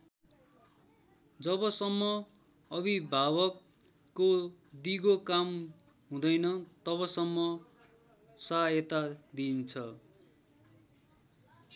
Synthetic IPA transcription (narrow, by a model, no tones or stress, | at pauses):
d͡zʌbʌsʌmːʌ | ʌbibʱabʌkː | od̪iɡokam | ɦũd̪ʌjnʌt̪ʌβʌsʌmːʌ | sʌet̪ad̪int͡sʰʌ